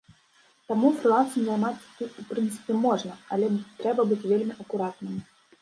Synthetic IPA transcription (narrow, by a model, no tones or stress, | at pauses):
t̪amufɾlasɨnzajmat̪sʲt̪ut̪upɾɨnt̪sɨ̥pʲɛmɔʐnɐɐ̰lʲɛt̪ɾɛbɐbɨt͡sʲvʲelʲmʲiʔɐkuɾat̪nɨm